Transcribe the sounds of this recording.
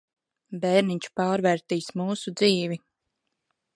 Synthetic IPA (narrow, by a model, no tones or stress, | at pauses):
bɛːɾniɲt͡ʃu̥paːɾvɛːɾt̪iːsmuːsud̪ziːvi